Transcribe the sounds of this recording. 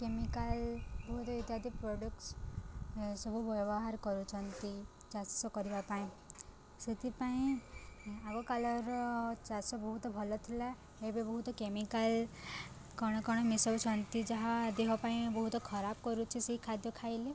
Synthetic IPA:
kemikalbɔɦut̪ɔit̪jad̪ik̚pɾɔɖuks | sɔbʱubɔbɔɦaɾkɔɾut͡ʃʰɔnt̪i | d͡ʒassɔkɔɾibapaĩ | sit̪ipaĩ | aɡɔkalɔɾɔt͡ʃasɔbɔɦut̪ɔbʱɔlɔt̪ʰila | ebibɔɦut̪ɔkemikal | kɔɽ̃ɔkɔɽ̃ɔmisɔt͡ʃʰɔnt̪id͡ʒɔɦad̪eɦapaĩbɔɦut̪ɔkʰɔɾab̚kɔɾut͡ʃʰisiɦikʰad̪jɔkʰaili

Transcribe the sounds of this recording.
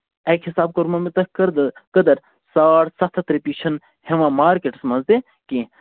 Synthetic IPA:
ɐkʰhisaːb̚koɾmɐmit̪ɐəɾd̪kəd̪ɐɾ | saːɽsɐt̪ʰt̪ɾipiʃʰɐn | heʋãːmaːɾkeʈsmɐnzd̪e | kĩ

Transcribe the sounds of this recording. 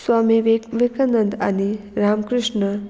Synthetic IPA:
swaːmiʋikɐnənd̪a̰niɾaːmkɾɪʂɳə

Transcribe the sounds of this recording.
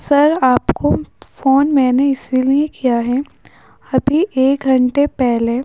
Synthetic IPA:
sɐɾaːpkʰofoːnmɛːneɪsiliekʰijaɦɛ | ɐbʱiʔeːk̚ɡʱɐ̃ɳʈepɛɦle

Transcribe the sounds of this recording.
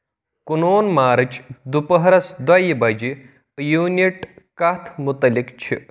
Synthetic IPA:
kunoːnmaːɾɐt͡ʃd̪upəɦɾɐsd̪wajibɐd͡ʒi | juniʈkat̪ʰmut̪ɐlikt͡ʃʰḭ

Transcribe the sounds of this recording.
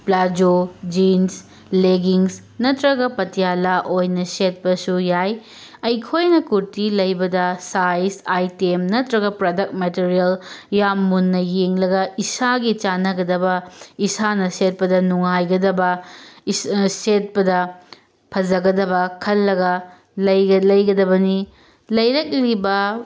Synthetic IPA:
plad͡ʒod͡ʒins | leɡiŋs | nɐtɾɐɡɐpɐtijalaʔojnɐset̚pɐsujaj | ɐjkʰojnɐkuɾtilɐjbɐdɐsajsajtemnɐtɾɐɡɐpɾodɐk̚t̚metiɾijɐljamːunːɐjeŋlɐɡɐisaɡit͡ʃanɐɡɐdɐbɐisanɐset̚pɐdɐnuŋajɡɐdɐbɐ | set̚pɐdɐ | pʰɐd͡ʒɐɡɐdɐbɐkʰɐlːɐɡɐ | lɐjlɐjɡɐdɐbɐni | lɐjɾɐk̚libɐ

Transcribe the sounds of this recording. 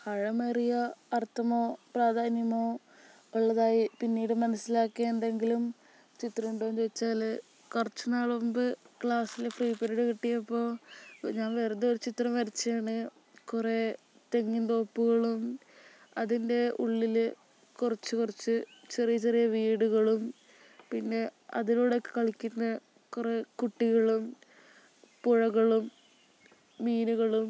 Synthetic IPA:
hɐɻɐmerijɐːrt̪ʰːɐmo̞ːpraːd̪ʱaːnjɐmoː | oɭːɐðaːjipinːiːɽɨmɐnɐsːilaːkːiɐend̪e̞ŋɡilum | t͡ɕit̪rɐmuɳɖoːd͡ʑejit͡ɕːaːl | kurɐt͡ɕːunaːɭɐumbɨkɭaːsilfriːpːeɾiɽɨkiʈːijɐpːo̞ːɲaːnʋeːrɐd̪eoɾut͡ɕit̪rɐmʋɐɾit͡ɕːaːɳɨ | kure̞ | t̪eŋːint̪o̞ːpːuɣɐɭum | ɐðinde̞ṵɭːilɨ | kurɐt͡ɕːɨkurit͡ɕːɨt͡ɕerijɐt͡ɕerijɐʋiːɽuɣɐɭum | pinːe̞ɐ̰ðinoːɽokːe̥kɐɭikʲːunːɐ | kure̞kuʈːiɣɐɭum | puɻɐɣɐɭum | iːnuɣɐɭum

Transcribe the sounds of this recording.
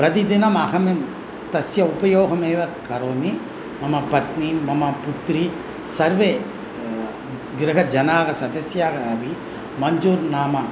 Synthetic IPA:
pɾɐt̪id̪inɐmɐkɐmem | t̪ɐsjɐupɐjoːɡɐmeːʋɐkɐɾoːmi | mɐmɐpɐt̪nimːɐmɐput̪ɾi | sɐɾʋeː | ɡɾɐɦɐd͡ʒɐnaːɡɐsɐd̪ɐsjaːɡɐːbi | mɐɲd͡ʒuːɾnaːmɐ

